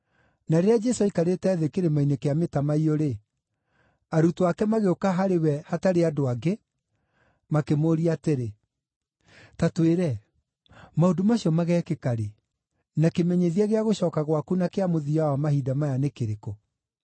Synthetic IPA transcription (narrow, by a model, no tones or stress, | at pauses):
naɾeɾead͡ʒɛsoaikaɾetɛːðekeɾemainekeametamaioɾe | aɾutoakɛmaɣeokaɦaɾewɛhataɾeadoaɡe | makemoːɾiateɾe | tatweɾɛ | maodomaɕiɔmaɣɛːkekaɾe | nakemɛɲeðiaɣeaɣoɕɔːkaɣwakunakeamoðiawamaɦidamajanekeɾeko